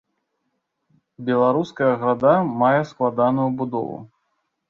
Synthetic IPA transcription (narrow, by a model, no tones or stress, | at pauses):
bʲɛlˠaɾuskɐjɐɣɾad̪amajɛsklˠad̪anujubud̪ɔ̰vṵ